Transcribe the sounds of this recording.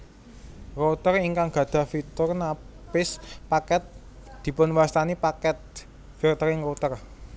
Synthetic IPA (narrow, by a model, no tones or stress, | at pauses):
rot̪əriŋkaŋɡ̥ä̤d̪̥ä̤fit̪ʊrnapɪspakɛt̪̚ | d̪̥i̤pʊnwast̪anipakɛt̪̚ | firt̪əɾɪŋrot̪ər